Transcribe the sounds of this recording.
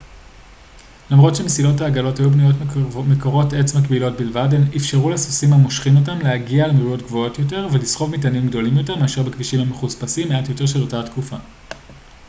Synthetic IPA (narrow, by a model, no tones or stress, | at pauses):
lamʁo̞tʃemesilo̞taːɡalo̞tajubnujo̞tmekoʁo̞tet͡smakbilo̞t̚bilvadenifʃeʁulesosimamo̞ʃχimo̞t̬amleaɡiaːlmʁujo̞tɡvo̞o̞tjo̞t̬e̞ʁvelisχo̞vmitanimɡdo̞limjo̞te̞ʁmeaʃeʁbekviʃimameχuspasimːeatjo̞te̞ʁʃelo̞tatkufa